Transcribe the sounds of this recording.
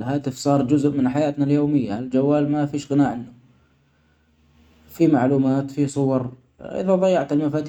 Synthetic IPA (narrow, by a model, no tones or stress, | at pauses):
lɦaːt̪ɪfsˤɑːɾˤd͡ʒʊzʔmɪnħajaːt̪naljoːmɪjːald͡ʒawːaːlmafiːʃɣɪnaːʕɪnːʊ | fimaʕluːmaːt̪fisˤʊwɑɾˤ | ʔɪ̰ðaðˤɑjːɑʕt̪ɪlmafaːt̪